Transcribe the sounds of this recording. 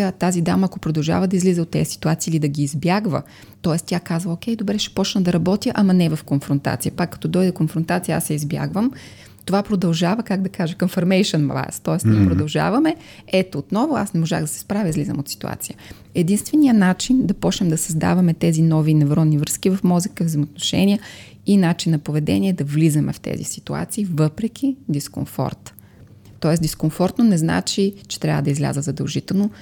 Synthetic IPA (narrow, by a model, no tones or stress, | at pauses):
ət̪azid̪amɐːkopɾod̪ɐlˠʒa̰vəd̪ɐizlizəot̪ːɛsi̥t̪uat̪siːlid̪ɐɡʲiːzbjaɡvə̰ | t̪ɔɛst̪ʲjakazvɐokʲɛjd̪obɾɛʃɛ̥pɔt͡ʃnɐd̪ɐɾɐbɔt̪jəʔɐmɐnɛvɐfkonfɾont̪a̰t̪sijəpakːɐ̥t̪ɔd̪ɔjd̪ɛkonfɾont̪at̪sijəa̰sɛizbja̰ɡvəm | t̪ovapɾod̪ɐlˠʒavɐkaɡ̚d̪ɐkaʒɐkɐmfɐɾmɛjʃɛnmlˠa̰jst̪ɔɛsniɛpɾod̪ɐlˠʒa̰vɐmɛ | ɛt̪oːt̪nɔvʊa̰snɛmoʒa̰ɣd̪ɐsɛ̥spɾavʲəizlizə̰mot̪si̥t̪ṵa̰t̪sijə | ɛd̪inst̪vɛnijənat͡ʃind̪ɐpɔt͡ʃnɛmd̪ɐsɐzd̪a̰vɐmɛt̪ɛzinɔvinɛvɾɔnnːivɾɤskivɐfmɔzəkəvzɛjmot̪̚noʃɛ̰niə | inat͡ʃinːɐpovɛd̪ɛ̰nʲiɛd̪ɐvlizɐmɛ̰ft̪ɛ̰zḭsi̥t̪ua̰t̪siːvɤpɾɛk̟ʰʲid̪isko̰nfɔ̰ɾt̪ː | ɔɛsd̪iskoɱfɔɾt̪nonɛzna̰t͡ʃit͡ʃɛ̥t̪ɾʲa̰vəd̪ɐizlʲa̰zəzɐd̪ɐlˠʒit̪ɛlˠno